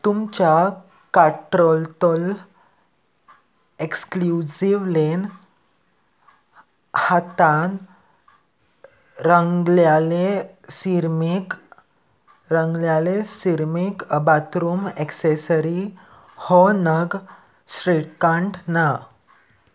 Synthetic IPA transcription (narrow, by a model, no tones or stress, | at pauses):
t̪umt͡ɕa | kaʈɾɔlt̪ɔl | ekskljud͡ʑiʋlen | hat̪an | ɾəŋɡljale | siɾmik | ɾəŋɡljalesiɾmikbat̪ɾuːmeksesəɾi | hɔnəɡ | sʈɾiʈkãɳʈna